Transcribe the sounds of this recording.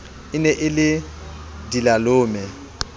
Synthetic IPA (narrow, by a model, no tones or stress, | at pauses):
ɪnɛʔɪlɪ | dilalʊːmɛ